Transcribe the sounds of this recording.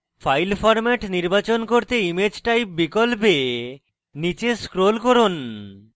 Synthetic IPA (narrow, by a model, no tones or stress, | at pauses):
fajlfɔɾmɛʈniɾbat͡ɕonkoɾt̪eimed͡ʑʈajp̚bikolpe | nit͡ɕeskɾolkoɾon